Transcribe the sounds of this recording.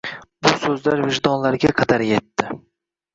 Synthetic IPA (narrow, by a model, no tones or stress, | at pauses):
bʊsɵzlaɾvɪʒd̪ɒnlaɾɡʲaqʰɑd̪aɾje̞t̪ːɪ